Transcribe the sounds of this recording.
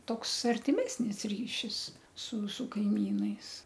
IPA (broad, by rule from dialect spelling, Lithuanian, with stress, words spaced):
ˈtoːks ɐrʲtʲɪˈmʲæːsʲnʲɪs ˈrʲiːʃʲɪs sʊ sʊ kɐɪˈmʲiːnɐɪs